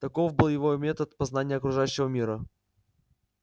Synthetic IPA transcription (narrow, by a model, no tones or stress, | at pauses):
t̪ɐko̞fbɨlˠjɪvomʲe̞t̪ət̪pɐznanʲɪjəɐkɾʊʐajʉɕːɪvəmʲiɾə